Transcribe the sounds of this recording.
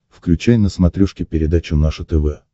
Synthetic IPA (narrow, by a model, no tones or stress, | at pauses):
fklʲʉt͡ɕæjnəsmɐt̪ɾʲuʂkʲɪpʲɪɾʲɪd̪at͡ɕʊnaʂʊt̪ɛvɛ